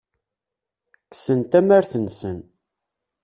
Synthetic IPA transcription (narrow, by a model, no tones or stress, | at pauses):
kːsənt̪æmæɾθənsən